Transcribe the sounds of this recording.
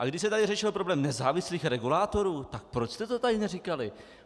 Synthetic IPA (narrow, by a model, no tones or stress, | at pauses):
ʔaɡdɪʃs̬ɛt̪adɪrɛʃɪlpɾo̞blɛːmnɛzaːvɪsliːxɾɛɡulaːt̪o̞ɾuːt̪ak̚pɾot͡ʃst̪ɛt̪ot̪adɪnɛrikalɪ